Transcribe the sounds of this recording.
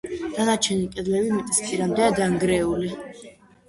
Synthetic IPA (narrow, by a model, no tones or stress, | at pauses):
d̪̥ad̪at͡ʃʰɛnikʼɛd̪lɛbimɛt̪ʼisp̪ʼiɾamd̪ɛad̪aŋɡɾɛuli